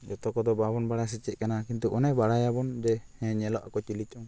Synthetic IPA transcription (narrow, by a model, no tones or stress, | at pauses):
d͡ʒɔt̪ɔkɔd̪ɔbabɔnbaɽas̬ɛt͡ʃɛʔ̪̚kanakint̪uʔɔnɛbaɽajabɔnd͡ʒɛhɛ̃ɲɛlɔʔakɔt͡ʃilit͡ʃˀɔŋ